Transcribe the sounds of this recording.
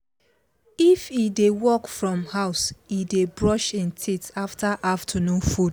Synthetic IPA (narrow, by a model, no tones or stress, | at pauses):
ifidewɔkfɹɔ̃mhaʊsidebɹɔʃɪ̃ntʰitaftaʔaftʰɔnũfud